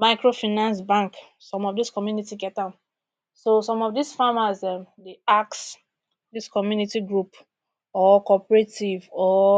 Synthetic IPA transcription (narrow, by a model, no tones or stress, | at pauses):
maɪkɹofinãnsbãŋk | sɔ̃mɔfdiskɔmjunitiɡɛt̚dãn | sosɔ̃mɔfdisfamasɛmdeaks | diskɔmjunitiɡɹup | ɔkɔpɹetivɔ